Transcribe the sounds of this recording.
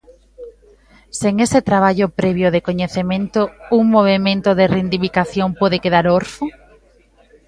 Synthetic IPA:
seŋeset̪ɾaβ̞aʎʊpɾeβjoðekoɲeθemẽnt̪ouŋmoβ̞emẽnt̪oðerend̪iβikaθjoŋpoðekeð̞aɾoɾfʊ

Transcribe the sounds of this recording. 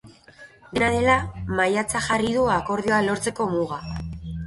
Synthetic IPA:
d̪enaðe̞lamajat͡saʝarið̞uako̞ɾð̞io̞alo̞ɾt͡se̞ko̞muɣa

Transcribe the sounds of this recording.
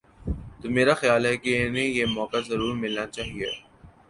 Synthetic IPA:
t̪omeːɾaxjaːlɦɛkeɛnẽjemɔːkazɐɾuːɾmɪlnat͡ʃaːɦie

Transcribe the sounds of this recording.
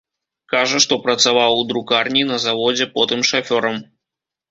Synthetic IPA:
kaʐɐʂt̪ɔpɾɐt̪savawud̪ɾukarnʲinɐzavɔd͡zʲɛpɔt̪ɨmʂɐfʲɔɾɐm

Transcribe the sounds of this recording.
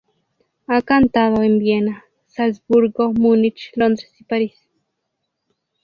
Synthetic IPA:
akant̪aðoembjena | salsbuɾɡomunit͡ʃlond̪ɾesipaɾis

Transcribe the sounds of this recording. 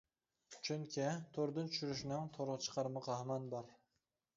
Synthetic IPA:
t͡ʃʰʊŋkʲʰɪt̪ʰoɾd̪ɪnt̪ʰʊ̥ʃyɾɪʃnɪŋt̪ʰoɾʁt͡ʃʰə̥qʰɑɾmɑqʰɑhmɑnbɑɾ

